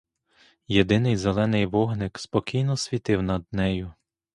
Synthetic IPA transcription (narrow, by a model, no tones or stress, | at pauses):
jed̪ɪnɪjzelˠɛnɪjʋɔɦnɪkspɔkʲijnɔsʲʋʲit̪ɪwnɐd̪nɛjʊ